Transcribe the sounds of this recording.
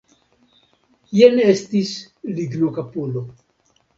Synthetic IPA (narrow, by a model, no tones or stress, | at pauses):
jenestis | liɡnokapulo